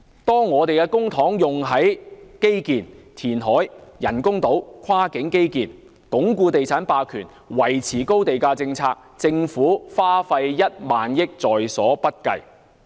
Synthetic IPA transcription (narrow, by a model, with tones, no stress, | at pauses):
t̪ɔː˥ŋːɔː˨˧t̪e˨jkɛ˧kʊ˥ŋt̪ʰɔː˨˥ŋjʊ˨ŋɦɐ˨˥jke˥jkiː˨nt̪ʰiː˨˩nɦɔː˨˥jjɐ˨˩nkʊ˥ŋt̪o˨˥wkʰaː˥kɪ˨˥ŋke˥jkiː˨n | kʊ˨˥ŋkuː˧t̪e˨jt͡sʰaː˨˥npaː˧kʰyː˨˩n | wɐ˨˩jt͡sʰiː˨˩ko˥wt̪e˨jkaː˧t͡sɪ˧ŋt͡sʰaː˧k̚t͡sɪ˧ŋfuː˨˥faː˥fɐ˧jjɐ˥t̚maː˨njɪ˥k̚t͡sɔː˨jsɔ̰ː˨˥pɐ˥t̚kɐ˧j